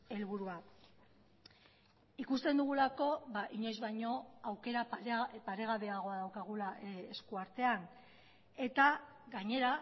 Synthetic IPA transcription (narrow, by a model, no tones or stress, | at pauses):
e̞lβuɾua | ikust̪e̞nd̪uɣ̞ulako̞βaʔiɲe̞zβajɲo̞awke̞ɾapaɾe̞ɣ̞aβe̞aɣ̞o̞aðawkaɣ̞ulae̞skuaɾt̪e̞an | e̞t̪a | ɣaɲe̞ɾa